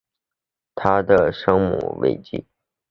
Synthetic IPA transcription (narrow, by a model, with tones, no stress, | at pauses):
t̪ʰa˥d̪ə˨ʂɤ˥ŋmṵ˨˩wḛ˥˩ɪt͡ɕḭ˥˩˦